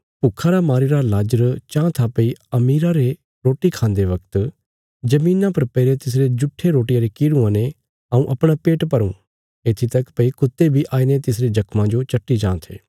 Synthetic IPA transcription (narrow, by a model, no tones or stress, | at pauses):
pʊkʰːaɾamaːɾiɾalaːd͡ʒəɾt͡ʃãːt̪ʰapɐiɐmiːɾaɾe | ɾoːʈikʰãːnd̪eʋɐkt̪ | d͡ʒɐmĩːnãpɐɾpɐɪɾet̪ɪs̬ɾed͡ʒʊʈʰːeɾoːʈijãɾekiːɽũãːne | ɐũʔɐpɽ̃apeːʈpɐɾṵ̃ | eːt̪ʰit̪ɐkpɐikʊt̪ːebʱiʔaːinet̪ɪs̬ɾed͡ʒɐkmãd͡ʒot͡ʃɐʈːid͡ʒãːt̪ʰḛː